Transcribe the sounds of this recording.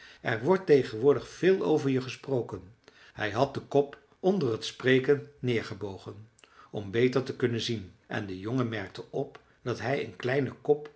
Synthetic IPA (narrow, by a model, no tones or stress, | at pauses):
ʔɛɹʋɔɹtejχənʋʊːɹdəχfɪːlˠo̰wvəɹjəχəsprowkən | hɛjɦɑt̚dəkɔp | ɔndərɦətsprejkənːɪːɹχəbowχənɔmbejtəɹtəkɵnənzinʔɛ̰ndəjɔŋəmɛɹk̚təʔɔp | d̥ɑtɦɛjə̰nklɛjnəkɔp